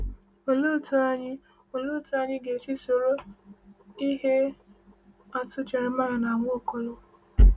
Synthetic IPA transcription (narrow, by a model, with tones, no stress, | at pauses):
o˨lo˦˨tu˦a˦ɲɪ˦ | o˨lo˦tu˦a˦ɲɪ˦ɡe˨t͡ʃi˦so˨ɾo˦ | i˦ɦe˦ | a˨tʊ˦t͡ʃa˨ɾɪ˦ma˦ɾa˨na˨ŋʷo˦˨ko˨lo˦